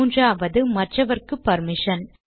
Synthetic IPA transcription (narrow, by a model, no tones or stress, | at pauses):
ndraːʋɐðɯmɐʈrɐʋɐrkɯpɐɾmɪʂɐn